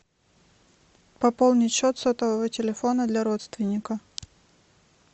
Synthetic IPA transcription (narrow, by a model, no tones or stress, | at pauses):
pɐpolˠnʲɪtʲɕot̪sot̪əvəvətʲɪlʲɪfo̞nəd̪lʲɐɾot̪st̪vʲɪnʲːɪkə